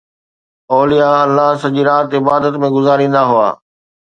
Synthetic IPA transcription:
ɔːlijaɐlːaɦsɐʄiɾaːt̪ɪbaːd̪ət̪mẽɡʊzaːɾĩːnd̪aɦʊa̰ː

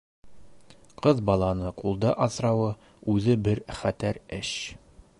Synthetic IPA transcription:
qɤðbɒlˠɑnɤqulˠd̪ɑʔɒθɾɑwɤ | ʉðɘbɘɾχæt̪æɾɘɕ

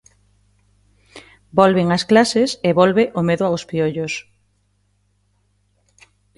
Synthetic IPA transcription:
bolβeŋɐsklaseseβolβeʔomeðʊawspioʎos

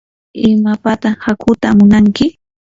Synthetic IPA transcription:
ɪmapat̪aχhakʰʊt̪amʊnaŋkɪ

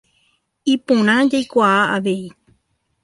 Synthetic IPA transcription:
ipõɾ̃ãd͡ʒajkʷaaaʋei

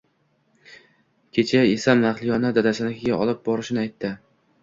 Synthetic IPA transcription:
kʲʰe̞t͡ʃʰaesamnaχlˠɪjɒnad̪ad̪asanɪkʲʰɪɡʲaʔɒlˠɪp̚bɒɾɪʃɪnɪajt̪ʰːɪ

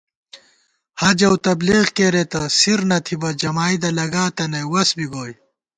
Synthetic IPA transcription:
hɐd͡ʑɐwt̪ɐbliɣkeːɾet̪ɐsiɾnɐt̪ʰibɐd͡ʑɐmaːjd̪ɐlɐɡaːt̪ɐnɐjwɐsbiɡoːj

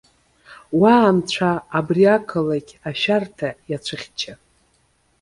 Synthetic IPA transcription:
waːmt͡ɕʷʰaːbriakʰɨlaɡʲaʃᶣartʰajat͡ʃʷʰɨχʲt͡ʃʰa

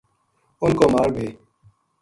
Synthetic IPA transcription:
ʊnkoːmaːɾbeː

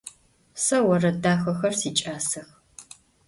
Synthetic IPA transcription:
sɐwɐrɐdaːxɐxɐrsiːt͡ʃʼaːsɨx

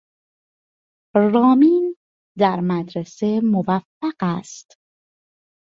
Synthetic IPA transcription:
rɒːmiːn | d̪æɾmæd̪ɾesemovæfːæɢæst̪

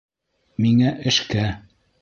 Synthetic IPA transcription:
miŋæʔɘ̆ʃkæ

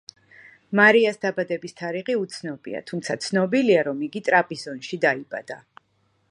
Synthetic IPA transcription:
maɾiasd̪̥abad̪ɛbist̪ʰaɾiʁiut̪sʰnɔbḭa̰t̪ʰumt̪sʰat̪sʰnɔbiliaɾɔmiɡit̪ʼɾapʼisɔnʃid̪aibʼad̪̥a

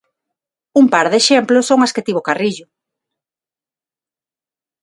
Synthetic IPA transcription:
umpaɾðeʃemplʊsːoŋasket̪iβokariʎʊ

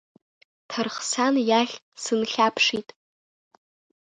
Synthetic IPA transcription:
tʰarχsanjaɬʲ | sɨnɬʲapʰʂitʼ

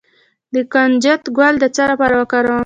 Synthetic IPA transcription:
d̪əkand͡ʒat̪ɡwald̪ət͡saɾapɑɾawəkɑɾawə

